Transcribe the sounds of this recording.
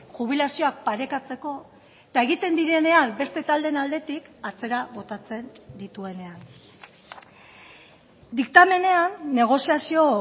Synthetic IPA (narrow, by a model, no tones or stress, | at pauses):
ʝuβ̞ilasio̞ak̚paɾe̞kat͡se̞ko̞ | et̪ae̞ɣit̪e̞nd̪iɾe̞ne̞ambe̞st̪e̞t̪ald̪e̞nald̪e̞t̪ikat͡se̞ɾaβo̞t̪at͡se̞nd̪it̪ue̞ne̞an | d̪ikt̪ame̞ne̞anːe̞ɣ̞o̞siasio̞